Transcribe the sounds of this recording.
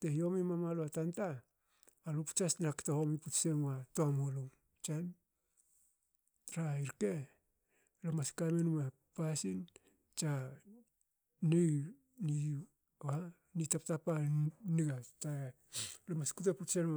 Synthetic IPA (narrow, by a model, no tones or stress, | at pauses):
tehio̞mimamaloatantaː | lopu̥t͡ʃasnaktahomiputse̞matoamoloŋ | t͡ʃan | ɾaiɾke | lomaskamenma | pasin | t͡ʃa | nej | ni | a | nitaptapaniɡata | lomaskutaputsen